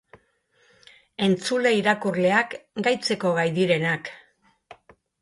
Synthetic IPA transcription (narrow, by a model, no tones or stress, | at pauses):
e̞nt͡sule̞iɾakurle̞akɡajt͡se̞ko̞ɣ̞ajðiɾe̞nak